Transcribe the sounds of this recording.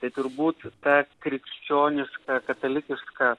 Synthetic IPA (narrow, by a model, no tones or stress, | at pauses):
t̪ɐɪt̪ʊɾbuːt̪tɑkɾʲɪkʲsʲt͡ʃʲoːnʲɪʃkɐkɐt̪ɐlʲɪkʲɪʃkɐ